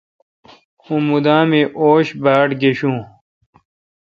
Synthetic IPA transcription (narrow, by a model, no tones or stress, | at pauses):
ũmud̪ãːmeʔoːɕbaːʈɡeɕũː